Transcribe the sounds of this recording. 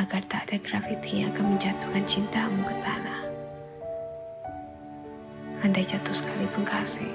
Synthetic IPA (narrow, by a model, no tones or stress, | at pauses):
aɡard̪aːdaɡɾafit̪ijaŋakanməɲd͡ʒat̪uhkant͡ʃint̪amukət̪anah | andad͡ʒat̪ɔsə̥kalipəŋkasɪ